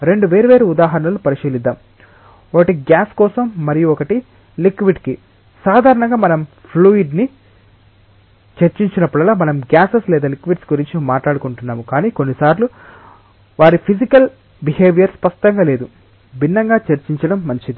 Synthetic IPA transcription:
ɾe̞ɳɖuʋe̞ːɾuʋe̞ːɾuud̪aːɦɐɾɐɳɐlupɐɾiʃiːlid̪ːaːm | ɔkɐʈiɡjaːskɔːsɐmːɐɾijuɔkɐʈi | likʋiɖki | saːd̪ʱaːɾɐɳɐŋɡaːmɐnɐmpʰluːiɖni | t͡ʃeɾt͡ʃiɲt͡ʃinɐpːuɽɐlaːmɐnɐmɡjaːseslɛːd̪ɐlikʋiɖsɡuɾiɲt͡ʃimaːʈlaːɽukuɳʈunːaːmukaːniːko̞nːisaːɾlu | ʋaːɾipʰid͡ʒikɐl | biɦeːʋijɐɾspɐʂʈɐŋɡaːle̞ːd̪u | bʱinːɐŋɡaːt͡ʃɐɾt͡ʃiɲt͡ʃɐɽɐmːɐɲt͡ʃid̪i

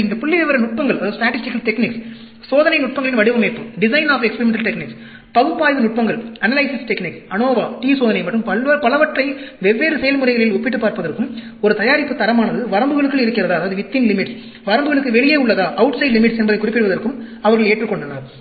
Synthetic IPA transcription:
ɪnd̪ɐpʊɭːɪʋɛʋɐɾɐnʊʈ̚pɐŋɡɐɭɐðaːɐðɯsʈɾaːʈːɪsɪkːɐlt̪ɛknɪks | soːðɐnɐɪnʊʈ̚pɐŋɡɐɭɪnʋɐɽɪʋɐmeːpːɯɖɪsɐɪnaːfɛkspɛɾɪmɛɳʈɐlʈɛknɪks | pɐɣɯpːaːjʋɯnʊʈ̚pɐŋɡɐɭɐnɐlɐɪsɪsʈɛknɪksɐnoːʋaːʈiːsoːðɐnɐɪmɐʈːrɯmpɐɐpɐlɐʋɐʈrɐɪʋɛʋːeːɾɯsɛjɐlmʊrɐɪɣɐɭɪlɔpːɪʈːɯpːaːɾpɐðɐrkːɯm | ɔɾɯt̪ɐjaːɾɪpːɯt̪ːɐɾɐmaːnɐðɯʋɐɾɐmbɯɣɐɭɯkːɯɭɪɾɯkːɪɾɐðaːɐðaːʋɐðɯʋɪt̪ːɪnlɪmɪʈs | ʋɐɾɐmbɯɣɐɭɯkːɯʋɛɭɪjeːʊɭːɐðaːʔɐʊʈsɐɪɖlɪmɪʈsɛnbɐðɐɪkʊrɪpːɪɽɯʋɐðɐɾkɯmɐʋɐɾɣɐɭeːʈrɯkːɔɳɖɐnɐɾ

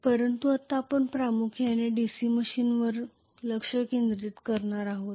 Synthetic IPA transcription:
pəɾənt̪uat̪ːaːpəɳpɾamukʰjaneɖisiməɕiːnʋəɾ | ləkʂəkend̪ɾiːt̪kəɾɳaɾaɦot̪

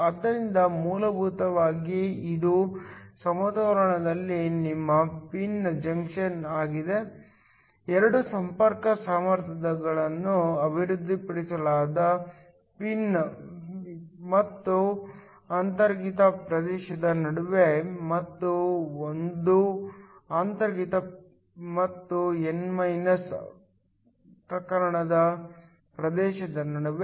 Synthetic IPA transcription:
ɐd̪ːɐɾind̪ɐmuːlɐbʱut̪ɐʋaːɡiid̪usɐmɐd̪ɐɐɾɐɳɐd̪ɐlːinimːɐpind͡ʒɐŋkʂɐnaːɡid̪e̞ | ɛɾɐɽusɐmpɐɾkɐsaːmɐɾt̪ʰɐd̪ɐɡɐɭɐnːuɐbʱiɾud̪ʱːipɐɽisɐlaːd̪ɐ | pin | mɐt̪ːu | aːnt̪ɐɾɡit̪ɐpɾɐd̪ɛːʃɐd̪ɐnɐɽuʋemɐt̪ːuond̪u | aːnt̪ɐɾɡit̪ɐ | mɐt̪ːuenmɐjnɐs | tɐkɐɾɐɳɐd̪ɐ | pɾɐd̪ɛːʃɐd̪ɐnɐɽuʋe

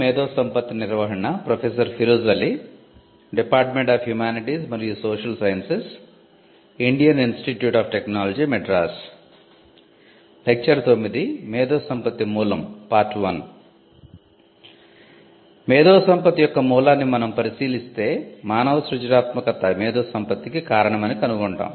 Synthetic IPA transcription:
eːd̪ɔːsɐmpɐt̪ːiniɾʋɐɦɐɳɐpɾɐpʰes̬ɐɾpʰiɾuzʋɐlːi | ɖipaːɾʈmeɳʈaːfhjumaːniʈismɐɾijusoːʃɐlsɐjɐnses | iɳɖijɐninsʈiʈjuːʈaːpʈeknaːlɐd͡ʒimeɖɾaːs | lek̚t͡ʃɐɾt̪omːid̪imɛːd̪ɔːsɐmpɐt̪imuːlɐmpaːɾʈʋɐn | mɛːd̪ɔːsɐmpɐt̪ijɔkːɐmuːlaːnːimɐnɐmpɐɾisiːlist̪e̞ːmaːnɐʋɐsɾud͡ʒɾaːt̪mɐkɐt̪ːɐmɛːd̪oːsɐmpɐt̪ikikaːɾɐɳɐmɐnikɐnuɡoɳʈa̰ːm

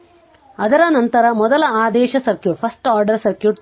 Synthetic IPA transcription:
ɐd̪ɐɾɐnɐnt̪ɐɾɐmɔd̪ɐlɐaːd̪ɛːʃɐsɐɾkjuːʈpʰɐsʈaːɾɖɐɾsɐɾkjuːʈ̪

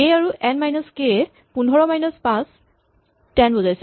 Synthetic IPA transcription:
eaɹuʔɛnmajnɔske | punʱɔɹɔmajnɔspãs | tɛnbɔzajsɛ

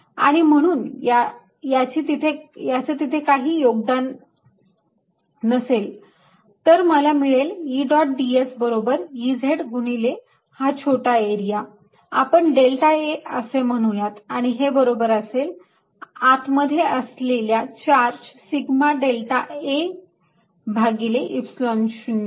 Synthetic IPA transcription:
a̰ɽ̃im̤əɽ̃uːnja | jat͡ɕiːt̪it̪ʰejat͡set̪it̪ʰekaɦiːjoɡd̪an | əsel | t̪əɾməlamiɭeljiɖɔʈ̚ɖiesbəɾobəɾjid͡zʱeɽɡuɽ̃ile | hat͡ɕʰoʈaeɾija | apəɳɖelʈaeəsem̤əɽ̃ujat̪aɽ̃iɦebəɾobəɾəsel | at̪məd̪ʱːjeəsleljat͡ɕaɾd͡ʑsiɡmaɖelʈae | bʱaɡileʔipslɔnɕuni

